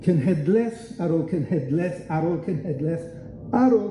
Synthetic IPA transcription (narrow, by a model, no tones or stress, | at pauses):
kʰənɦɛdlɛθaɾoːlˠkʰənhɛdlɛθaɾoːlˠkʰənhɛdlɛθ | aɾoː